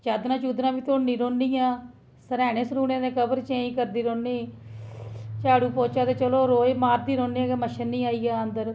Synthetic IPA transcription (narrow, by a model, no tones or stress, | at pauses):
t͡ʃaːd̪nãːt͡ʃuːd̪ɾãːbiːt̪oːnːiːɾoːnːiːaː | səɾɛːɽ̃ẽːsɾuːnẽːnẽːkəbəɾt͡ʃẽːĩːkəɾd̪iːɾoːnːiː | t͡ʃaːɽuːpoːt͡ʃaːt̪eːt͡ʃəloːɾoːemaːɾd̪iːɾõːnːiːãːeməʃənːĩːaːiːaːənd̪əɾ